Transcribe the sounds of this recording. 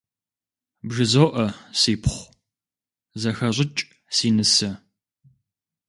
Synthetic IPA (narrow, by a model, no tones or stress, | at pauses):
bʒɨzowʔɐsiːpʰχʷ | zɐxɐɕʷɪt͡ʃʼ | siːnɨsɐ